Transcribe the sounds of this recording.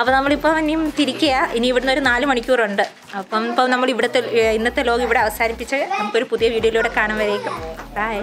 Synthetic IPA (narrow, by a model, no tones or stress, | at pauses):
ɐpːɐːnɐmːɐɭipːoːmɐnːejumt̪iɾikʲːɐjaːʔiniːʋiɽunːo̞ɾunaːlumɐɳikʲːuːruɳɖɨ | ɐpːɐmpːɐmnɐmːɐɭiʋiɽɐt̪ːeinːɐt̪ːelo̞ːɡiʋiɽeɐʋɐsaːɾipːit͡ɕːɨnɐmukːo̞ɾupuðijɐʋiːɽɐjiluːɽekaːɳɐmʋɐɾejkʲːumɐa